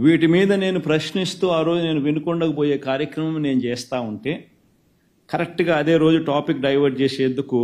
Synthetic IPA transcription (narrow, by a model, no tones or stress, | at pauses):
ʋiːʈimiːd̪ɐne̞ːnupɾɐʃnist̪uːaːɾo̞ːd͡ʒune̞ːnuʋinukɔɳɖɐkɐbo̞ːje̞ːkaːɾjɐkɾɐmɐmne̞ːnut͡ʃɛːst̪aːuɳʈe̞ː | kɐɾek̚ʈɡaːɐd̪e̞ːɾo̞ːd͡ʒuʈaːpikːɖɐjʋɐɾɖ̚t͡ʃeːseːnd̪uku